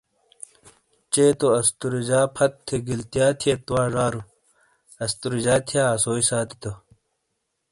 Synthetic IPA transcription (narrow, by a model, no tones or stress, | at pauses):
t͡ɕeːt̪oɐst̪uɾid͡ʑaːpʰɐt̪ʰːeɡilt̪ijaːt̪ʰiet̪uwaːʐaːɾu | ɐst̪uɾid͡ʑaːt̪ʰijaːsoːisaːt̪i̥t̪o